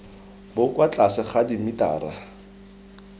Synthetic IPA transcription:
bʊkwat͡ɬʼasɪχadimita̰ːra

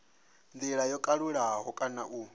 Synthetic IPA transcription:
nd̪iɺajɔkʼaɺuɺaɦɔkʼanaʔu

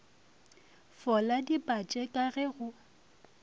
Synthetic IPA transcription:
fɔladipʼat͡ʃʼekʼaɣɛɣʊ

